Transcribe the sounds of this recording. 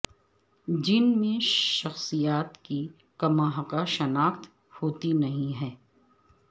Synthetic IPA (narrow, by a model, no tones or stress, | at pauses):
d͡ʒɪnmẽʃɐxsijaːt̪ki | kɐmaːɦɐqaʃɐnaːxt̪ | hoːt̪inɐɦĩɦɛː